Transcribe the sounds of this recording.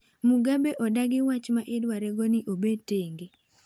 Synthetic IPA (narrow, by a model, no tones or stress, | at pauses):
muɡabeʔɔdaɡɪwat͡ʃmaʔɪdwaɾɛɡɔnɪʔobeteŋɡe